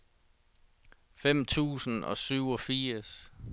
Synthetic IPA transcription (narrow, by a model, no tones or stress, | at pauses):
fem̰t͡sʰṵːsn̩ɒ̽syʊ̰ɒfiːɐs